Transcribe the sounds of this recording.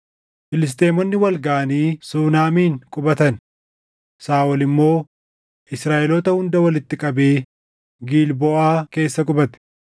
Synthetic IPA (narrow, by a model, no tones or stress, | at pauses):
fɪlɪs̬t̪ʼe̞ːmɔnːɪwɐlɡaːɐniːsuːnaːmiːŋkʼʊbɐt̪ɐn | saːwɔlɪmːo̞ː | ʔɪsɾaːʔɛlɔːt̪ɐhʊnd̪ɐwɐlɪt̪ːɪkʼɐbeː | ɡiːlbɔʔaːke̞ːsːɐkʼʊbɐt̪ɪ̥